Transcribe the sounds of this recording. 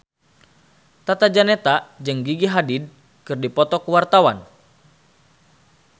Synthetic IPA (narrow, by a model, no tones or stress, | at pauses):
t̪at̪ad͡ʒanɛt̪ad͡ʒɨŋɡiɡiɦadid̚ | kɨrdipɔt̪ɔkuwart̪awan